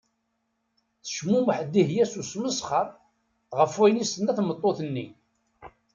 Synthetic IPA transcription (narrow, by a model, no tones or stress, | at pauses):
θə̥ʃmuməħd̪ːiɦjæsusməsχəɾˤ | ʁəfwæjnisənːæθmət̪ˤːoθənːi